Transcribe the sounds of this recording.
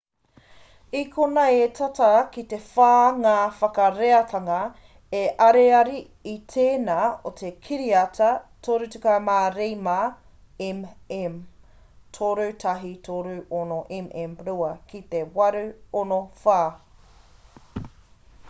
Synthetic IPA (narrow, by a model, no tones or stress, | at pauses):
ikʰonɐetʰatɐkit̪efaːŋaːfɐkɐɾeɐtʰɐŋɐ | eʔɐɾeɐɾi | it̪ʰeːnaːotʰekʰiɾiɐtʰɐtʰoːɾʉtukamaːɾejma | emem | tʰoɾutʰɐɦitʰoɾuʔonoʔemʔemɾuɐkʰit̪ewɐɾʉonofaː